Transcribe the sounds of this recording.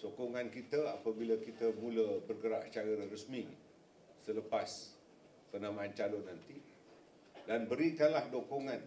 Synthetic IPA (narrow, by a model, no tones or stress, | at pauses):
sokoŋankit̪əapəbiləkit̪əmũləbərɡəɾaʔst͡ʃaɾəərəsmi | sələpas | pənamãːnt͡ʃalʊnːant̪i | danbəɾikanlahdokoŋan